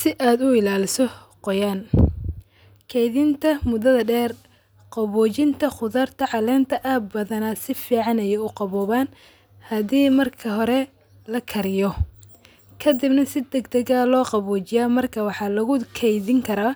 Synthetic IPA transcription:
sɪʔaːd̪ʊɪlaːlɪsɔ | qɔjaːn | kʰɛjðɪnt̪ʰɐmʊðɐðɐɖɛːr | qɑβɔːt͡ʃɪnt̪ʰɐχʊðaːrt̪ʰɐʕɑlɛːnt̪ʰɐʔaːb̪bɐðɐnɐsɪfiːʕɑnɛjɛʊqɑβɔːβaːn | hɐdiːmɐrkʰɐɦɔɾɛ | lɐkʰɐɾɪjɔ | kʰɐd̪ɪbnɐsɪd̪ɛɡd̪ɐɣɐlɔːqɑβɔːt͡ʃɪjaːmɐrkʰɐwɑħɑːlɐɣʊkʰɛjðɪŋkʰɐɾaː

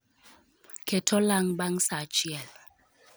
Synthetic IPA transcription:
kʰɛtʰɔlaŋ̩baŋ̩sat͡ʃiɛl

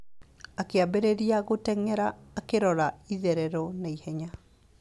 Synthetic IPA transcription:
akeabeɾeɾiaɣotɛŋɛɾaːkeɾɔɾaiðɛɾɛɾɔnaihɛɲa

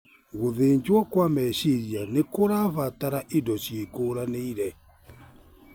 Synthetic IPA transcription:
ɣoðeɲd͡ʒwakwamɛʃiɾianekoɾaβataɾaʔidɔʃiekoːɾaneiɾɛ

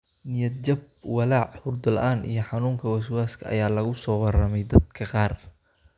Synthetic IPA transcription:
nɪjɐd̪d͡ʒɐb̚ | wɑlaːʕhʊrd̪ɐlʔaːnḭjɞħɑnuːŋkʰɐwɐswaːskʰɐɐ̰jaːlɐɣʊsɔːwɑrɐmɛjd̪ɐd̪kʰɐqɑːr

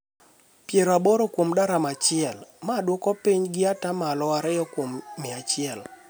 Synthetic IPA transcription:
pjeɾoaboɾokwomdaɾamat͡ʃɪɛlmadwɔkɔpiɲɡɪatamalɔaɾɛjɔkwomːɪat͡ʃɪɛl

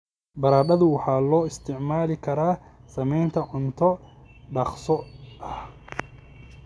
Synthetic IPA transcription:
bɐɾaːɖɐðʊwɑħɑːlɔːɪst̪ʰɪʕmaːlɪkʰɐɾaːsɐmɛjnt̪ʰɐʕʊnt̪ʰɔɖɐqsɔɐh

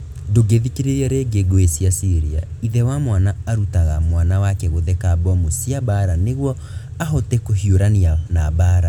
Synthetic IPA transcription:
doɡeðikeɾeɾiaɾeɡeɡoesjasiɾia̰iðɛwamwanaːɾutaɣamwanawakɛɣoðɛkabɔmosjabaɾaneɣwɔ | aɦɔtɛkohioɾanianabaːɾa

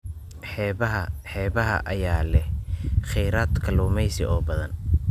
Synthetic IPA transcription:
ħɛɦɐħɛːβɐɦɐ̰ʔɐjaːlɛhχɛjɾaːd̪kʰɐlʊːmɛjsɪɔːbɐðɐn

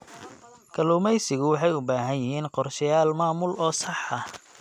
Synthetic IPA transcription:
kʰɐlʊːmɛjsɪɣʊwɑħɑjʊbaːɦɐnjɪhiːnqɔrʃjaːlmaːmʊlʔɔːsɑħɐ

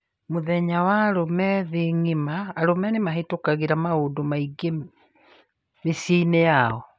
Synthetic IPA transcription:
moðɛɲawaɾomɛðeŋimaːɾomɛnemaɦetokaɣiɾamaodomaiɡe | mesiːnejaɔ

